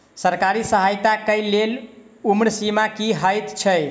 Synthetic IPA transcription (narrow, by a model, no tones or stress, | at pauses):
səɾkaɾisəɦajt̪akəjlːel | umɾsimakiɦəjt̪t͡ʃʰəj